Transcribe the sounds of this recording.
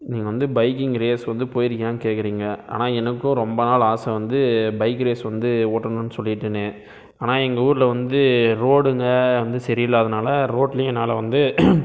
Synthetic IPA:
niːŋɡɐʋɐnd̪ɯbɐɪkɪŋɡɾeːsʋɐnd̪ɯpoːjɪɾɯkːɐjaːnkeːʈkːɪɾiːŋɡɐa̰ːnaːɛnɐkːʊ̃ɾɔmbɐnaːlaːsɐʋɐnd̪ɯbɐɪkːɾeːsʋɐnd̪ɯoːʈːɐnɯnːɯsɔlːɪɪʈːɯnːe | aːnaːɛŋɡɐuːɾɪlɐʋɐnd̪ɯɾoːɽɯŋɡɐʋɐnd̪ɯsɛɾɪjɪlɐɐðɐnaːlɐɾoːʈlɪnaːlɐʋɐnd̪ɯ

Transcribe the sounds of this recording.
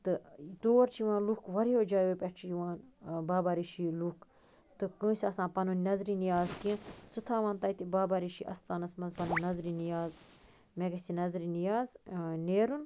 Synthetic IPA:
t̪ɨt̪oːɾt͡ʃʰiʋãːnlukʋɐɾijoːd͡ʒaːjʋepʲeʈt͡ʃʰijiʋãːnbaːbaːɾiʃiːluk | t̪ɨkɨ̃ːsʲɐsãːpɐnunnɐzɾinijaːzkiə̃sɨt̪ʰaːʋãːnt̪ɐit̪ibaːbaːɾiʃiʔɐst̪aːnɐsmɐzpɐnunɐzɾinijaːz | mẽɡɐsinɐzɾinijaːzneːɾun

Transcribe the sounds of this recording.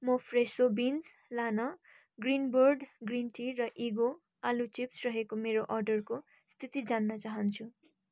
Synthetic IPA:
mʌpʰresobind͡zlanʌ | ɡrinborɖɡrinʈʰirʌʔiɡo | alut͡sipsrʌɦekomeɾoʔʌrɖʌrko | st̪ʰit̪id͡zanːʌt͡saɦʌnt͡sʰu

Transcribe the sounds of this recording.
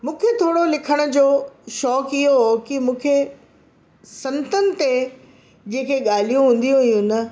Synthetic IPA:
mũːkʰet̪ʰoːɽolɪkʰəɽ̃ʊ̆d͡ʑoːʃɔːkɪɦoɦkimũːkʰe | sɐ̃nt̪ənɪ̆t̪e | d͡ʑẽːkʰeɠaːl̤ijũɦũːn̆d̪ijũijũnɐ

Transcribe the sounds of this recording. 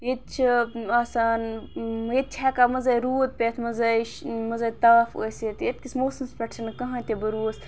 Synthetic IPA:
jit̪̚t͡ʃʰiasaːnjet̪̚t͡ʃʰaːkaːmɐzɐjɾuːd̪̚pʲeːt̪ʰmɐzɐjʃmɐzɐjt̪ɐːfo̰ːset̪et̪̚kismoːsɐmspʲɐʈt͡ʃɐnkɐɦãːt̪ebɐɾuːs

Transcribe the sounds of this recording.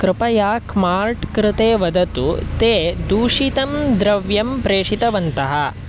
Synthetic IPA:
kɾɪpɐjaːkmaːɾʈkɾɪt̪eːʋɐd̪ɐt̪ṵt̪eːd̪uːʂit̪ɐmd̪ɾɐʋjɐmpɾeːʂit̪ɐʋɐnt̪ɐɦɐ

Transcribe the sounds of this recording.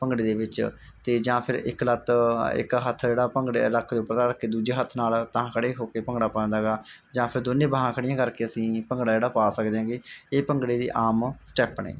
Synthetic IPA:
pəŋɡɽeːd̪eːbɪt͡ʃ | t̪eːd͡ʒãːpʰɪɾɪ̰klət̪ɪ̰kɦət̪ʰd͡ʒeːɽaːpəŋɡɽləkʰːd̪oːpəɾt̪aːɽkːeːd̪uːd͡ʒeːɦət̪ʰnaːlt̪ãkʰəɽeːɦoːkeːpəŋɡɽaːpːnd̪aːɡaːd͡ʒãːpʰɪɾd̪onẽːbəɦãːkʰəɽɪjãːkəɾkeːəsĩːpəŋɡɽaːd͡ʒeːɽaːpaːsək̚d̪eãːɡeːeːpəŋɡɽeːd̪ḭːʔaːmsʈɛːpɳḛː

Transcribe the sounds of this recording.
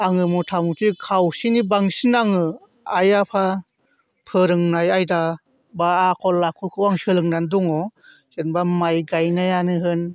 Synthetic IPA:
aŋɯmutʰamutikʰawsinibaŋsinaŋɯ | ajapʰa | pʰɯɾɯŋnajajda | baːkʰɔlakʰukʰɯwaŋsɯlɯŋnanduŋɔ | senbamajɡajnajanɯɦɯn

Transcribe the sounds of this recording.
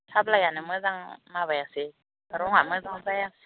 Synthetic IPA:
tʰablajanɛmɛd͡zaŋmaβajase | ɾɔŋamɛd͡zaŋt͡saja

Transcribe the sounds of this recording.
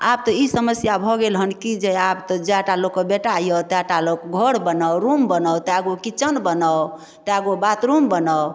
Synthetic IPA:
ab̚t̪ɔisəməsjabʱɔɡelɦənkid͡ʒeabt̪ɔd͡ʒaʈalokːəbeʈajət̪aʈalokɡʱoɽbənɔwɾumbənɔwt̪aɡokit͡ʃənbənə | t̪aɡobat̪ɾumbənɔw

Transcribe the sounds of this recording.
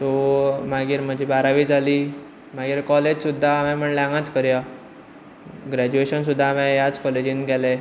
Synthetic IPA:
t̪omaɡiːɾm̤əd͡ʑʱiːbaɾaʋiːd͡zʱaliː | maɡiːɾkɔled͡ʑsud̪ʱːaːmɛ̃m̤əɳleãŋɡãt͡skəɾja | ɡɾæd͡ʑueɕəns̬ud̪ʱːaːmẽjat͡skɔled͡ʑiːnɡɛle

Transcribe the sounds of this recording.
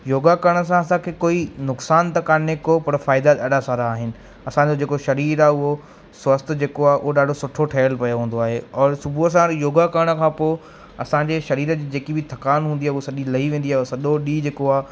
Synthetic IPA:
joːɡakɐɾəɽ̃ə̆s̬ãɐs̬ãkʰeːkoːinʊksaːnt̪ɐkaːnekopɐɾfaːɪd̪at̪ɐɗʱasaːɾaːɦɪnɪ̆ | ɐsãd͡ʑod͡ʑeːkoʃɐɾiːɾaːɦʊɦo | swɐst̪ʰd͡ʑeːkoaːɦeʔʊɦoɗaːɖʱosʊʈʰoʈʰɐːəlpɐjoɦũːn̆d̪oaːɦeɔːɾsʊbʱuɐs̬ãɾjoːɡakɐɾəɽ̃ə̆kʰãːpoː | ɐsãɲd͡ʑeʃɐɾiːɾəd͡ʑiːd͡ʑeːkibʱɪt̪ʰɐkaːnɦũːnd̪iaːɦʊɦosɐʄilɐɦiʋẽːnd̪iaːɦesɐɗoɗiːd͡ʑeːkoaːɦ

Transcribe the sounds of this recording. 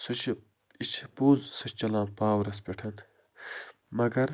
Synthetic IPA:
sɐt͡ʃʰi | it͡ʃʰipuːzsɐt͡ʃɐlãːnpaːwɾɐspʲeʈʰɐnt̪ | mɐɡɐɾ

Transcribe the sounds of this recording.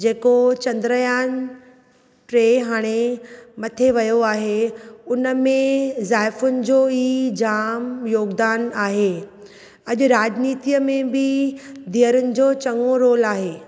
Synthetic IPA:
d͡ʑeːkot͡ɕɐ̃nd̪ɾəjaːn | ʈɾeːɦaːɽ̃emɐt̪ʰeʋɐjoaːɦeʊnəmẽzaːjfʊnɪ̆d͡ʑoːiːd͡ʑaːmjoːɡd̪aːnaːɦe | ɐʄʊɾaːd͡ʑniːt̪ijəmẽbɪd̪iəɾʊnɪ̆d͡ʑoːt͡ɕɐŋɡoɾoːlaːɦeː

